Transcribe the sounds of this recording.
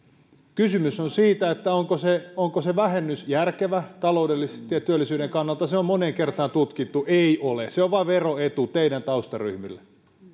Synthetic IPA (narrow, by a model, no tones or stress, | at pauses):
kysymysonsiːt̪æet̪ːæoŋkoseoŋkoseʋæhenːysjærkeʋæt̪ɑloudelːiset̪ijɑt̪yølːˑisyːɾeŋkɑnːɑlt̪ɑseommoneːŋkert̪ɑːnt̪ut̪kit̪ːuʔeiʔoleseoʋʋɑʋeroet̪ut̪eidænt̪ɑust̪ɑry̰hmilːe